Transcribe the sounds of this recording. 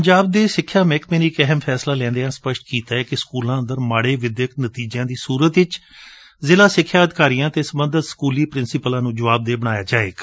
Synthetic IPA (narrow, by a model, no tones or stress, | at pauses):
pəɲd͡ʒaːb̚d̪eːsɪkʰːjaːmɛːkmeːniːkɛɦmpʰɛːslaːlɛ̃ːnd̪eãːspəʃʈkiːt̪aːɛːkɪskuːlãːənd̪əɾmaːɽeːʋɪd̪jəknət̪iːd͡ʒãːd̪iːsuːɾət̪ɪt͡ʃ | zɪlaːsɪkʰːjaːəd̪ɪkaːɾiːjãːt̪eːsəbənd̪ət̪skuːliːpɾɪnsɪpəlãːnũːd͡ʒəʋaːb̚d̪eːbəɽ̃aːjaːd͡ʒaːḛːk